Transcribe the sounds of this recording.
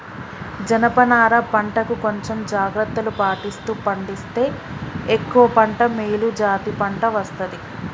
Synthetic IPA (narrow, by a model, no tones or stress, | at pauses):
d͡ʒɐnɐpɐnaːɾɐpɐɳʈɐkuko̞ɲt͡ʃemd͡ʒaːɡɾɐt̪ːɐlupaːʈist̪uːpɐɳɖist̪e̞ːekːuʋɐpɐɳʈɐmeːlud͡ʒaːt̪ipɐɳʈɐʋɐst̪ɐd̪i